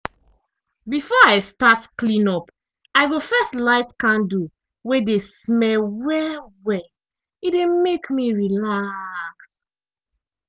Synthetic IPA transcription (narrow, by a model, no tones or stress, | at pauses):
bifɔaɪstatklĩnɔp | aɪɡofɛstlaɪtkãndu | wedesmɛlwɛwɛ | idemekmiɹilaks